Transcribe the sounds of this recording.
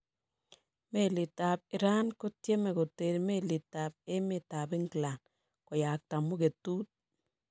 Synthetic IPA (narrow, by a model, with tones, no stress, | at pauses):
me˨lɪ˨ta˨p̚ɪ˨ɾa˦nko˦tje˦me˨ko˨te˨ɾme˦li˨ta˨p̚e˦me˨ta˨pɪ˦ŋɡla˨n | ko˨ja˨k̚ta˨mʊ˦ke˨tu˦t̚